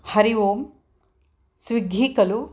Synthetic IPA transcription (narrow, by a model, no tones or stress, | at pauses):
hɐɾiʋoːm | sʋiɡʱiːkɐlu